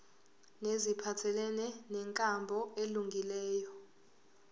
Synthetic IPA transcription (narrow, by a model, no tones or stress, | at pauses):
nezipʰatʰɛlɛnɛnɛŋkʼambʱɔeluŋɡʱilɛːjɔ